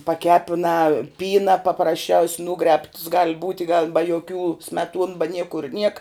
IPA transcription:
pɐˈkʲæːpʲɪnɑː ˈpʲiːnɐ pɐprɐsʲˈt͡ʃʲɛʊsʲ ˈnuːɡrʲɛːpts ɡɐlˠ ˈbuːtʲɪ ɡɐlˠ bɐ joːˈkʲuː sʲmʲɛˈtuɔn bɐ ˈnʲiɛkʊr nʲiɛk

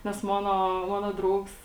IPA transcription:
ˈnʲɛs ˈmoːnoː ˈmoːnoː ˈdrɐʊks

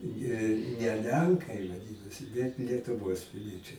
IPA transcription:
ˈjiɛ nʲɛ ˈlʲɛŋkɐɪ ʋɐˈdʲɪnoːsʲɪ bʲɛt lʲiɛtʊˈʋoːs pʲɪˈlʲiɛt͡ʃʲɛɪ

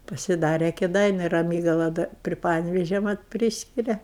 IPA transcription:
pɐsʲɪˈdɑːrʲɛ kʲeːˈdɐɪnʲʊ rɐˈmʲiːɡɐlˠɐ dɐ pʲrʲɪ ˈpɑːnʲɛʋʲeːʒʲɛ mɐt ˈpʲrʲiːsʲkʲɪrʲɛ

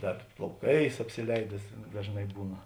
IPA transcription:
ˈdɐr plˠɐʊˈkɐɪs ɐpʲsʲɪˈlʲɛɪdʲɛs dɐʒˈnɐɪ ˈbuːnɐ

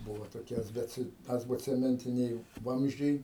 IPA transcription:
ˈbʊʋoː toːˈkʲɛs ˈbʲɛt ˌɑːzboːt͡sʲɛmʲɛnʲˈtʲɪnʲɛɪ ˈʋɐmʲzʲd͡ʒʲɛɪ

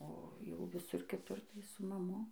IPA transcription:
oː ˈjɛʊ ʋʲɪˈsʊr kʲɪˈtʊr tɐɪ sʊ mɐˈmʊ

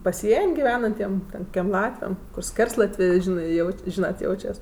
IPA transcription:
pɐˈsʲiɛnʲ ɡʲɪˈʋʲæːnɐnʲtʲiɛm tʲɛn kʊkʲiɛm ˈlˠɑːtʲʋʲɛm kʊr ˈsʲkʲɛrslˠɐtʲʋʲeː ˈʒʲɪnɜ ˈjɛʊtʲ ˈʒʲiːnɐt ˈjɛʊt͡ʃʲɛs

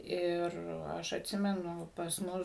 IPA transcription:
ˈɪr ˈɐʃ ɐtʲˈsʲɪmʲɛnʊ pɐs ˈmʊs

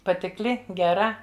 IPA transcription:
pɐtʲɪkˈlʲɪ ɡʲɛˈrɐ

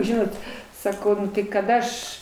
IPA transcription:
ˈʒʲɪnoːt sɐˈkɐʊ kɐt ˈɐʃ

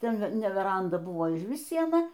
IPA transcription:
ˈtʲɛn nʲɛ ˈʋʲæːrɐndɐ ˈbʊʋoː ɪʒʲˈʋʲɪs ˈsʲiɛnɐ

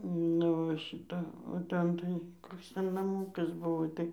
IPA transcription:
ˈnʊ ʋɐ ʃʲɪˈtɐ oː ˈtʲɛn tɐɪ ˈkoːks ˈtʲɛn nɐˈmuːkɐs ˈbʊʋoː ˈtɐɪ

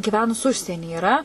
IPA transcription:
ɡʲiːˈʋʲæːnʊs ˈʊʃʲsʲiɛnʲɪ iːˈrɐ

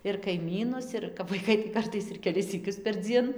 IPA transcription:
ɪr kɐɪˈmʲiːnʊs ɪr kɐp ʋɐɪˈkɐɪ tɐɪ ˈkɐrtɐɪs ɪr kʲɛˈlʲɪs sʲiːˈkʲʊs pʲɛrʲˈd͡zʲiɛn

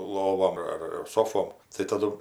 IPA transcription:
ˈlˠoːʋoːm ɐr ɪr ˈsoːfoːm tɐɪ tɐˈdʊ

